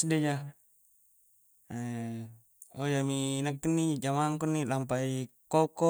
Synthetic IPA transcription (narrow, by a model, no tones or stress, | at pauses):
ded͡ʒa | ojaminəkːənːid͡ʒamaŋkunːilampaikokɔ